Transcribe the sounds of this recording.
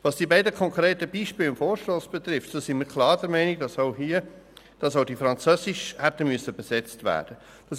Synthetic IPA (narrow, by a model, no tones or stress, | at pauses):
ʋɑsd̥ibɛɪdəkʰɔŋkɾeːtəbiːʃpɪːlʊnfoːɾʃtoːsb̥ɛt̪ɾɪftsosɪnməɾkʰlɑːɾd̥ɛɾmɛɪniɡ̚dɑsohiə | d̥ɑsoʊdifɾɑnt͡søːsɪʃhætəmyəsəbɛsɛt͡stvæ̰ːɾd̥ə | d̥ɑs